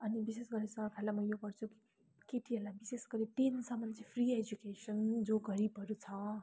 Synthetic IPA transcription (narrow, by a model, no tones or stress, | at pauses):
ʌnibisesɡʌɾesʌkʰalamʌjoɡʌrt͡sʰuki̥ | keʈʰiɦʌlabisesɡʌɾiʈinsʌmʌnt͡sipʰried͡ʒukesʌnd͡zoɡʌɾipʌɾut͡sʰʌ